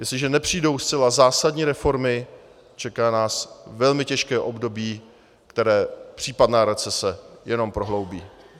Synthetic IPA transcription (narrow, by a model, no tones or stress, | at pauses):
jɛslɪʒɛnɛpr̝̥ijdo̞wst͡sɛlazaːsadɲiːɾɛfo̞ɾmɪ | t͡ʃɛkaːnaːsvɛlmɪcɛʃkɛːʔo̞bdo̞biː | kt̪ɛɾɛːpr̥iːpadnaːɾɛt͡sɛsɛjɛno̞mpɾo̞ɦlowbiː